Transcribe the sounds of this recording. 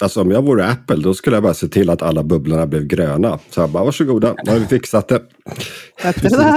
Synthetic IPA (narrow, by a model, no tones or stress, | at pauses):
alsɔɔmjɑːɡvuːɾæpːəld̪ɔskɵlːəjabɑːɾaseːt̪ʰɪlːat̪ʰalːabɵblaɳablɛvɡɾøːnasɔjabɑːvaʂɵɡuːd̪ahaɾvɪfɪksat̪̚d̪ɛ